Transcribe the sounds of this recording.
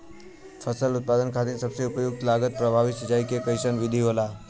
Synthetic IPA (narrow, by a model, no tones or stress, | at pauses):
fʰəsəlut̪̚pad̪ənkʰat̪iːnsəbseupəjuk̚t̪laɡət̪̚pɾəbʱaʋit̪səd͡ʒajkekəjsənʋid̪ʱiɦola